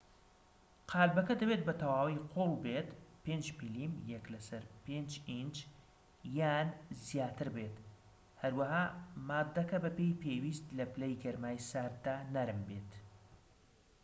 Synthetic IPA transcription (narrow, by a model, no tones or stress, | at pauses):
qʰaːlbɐkɐd̪ɐwet̪̚bɐt̪ʰɐwaːwiqʰolˠbet̪peːnd͡ʒmiliːmjɛklɐsɐɾpeːnd͡ʒind͡ʒ | jaːnzijaːt̪ɨɾbeːt̪ | hɐɾwɐɦaːmaːd̪ːɐkɐbɐpejpʰeːwiːst̪lɐplejɡɐɾmaːjsaːɾt̪̚d̪aːnɐɾɨmbeːt̪